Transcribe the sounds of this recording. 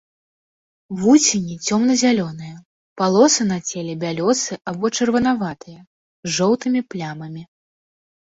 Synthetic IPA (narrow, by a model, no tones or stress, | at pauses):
vusʲinʲit͡sʲɔmnɐzʲalʲɔn̪ɨjɐ | palˠɔsɨnat͡sʲɛlʲɛbʲalʲɔsɨʔabɔt͡ʂɐrvɐnavat̪ɨjɐ | ʐɔwt̪ɨmʲiplʲamɐmʲi